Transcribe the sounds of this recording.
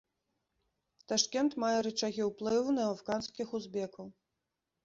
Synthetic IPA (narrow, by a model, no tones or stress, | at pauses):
t̪aʂkʲɛnt̪majɛɾɨt͡ʂaɣʲiwplˠɨwnɐafkanskʲixuzbʲɛkɐw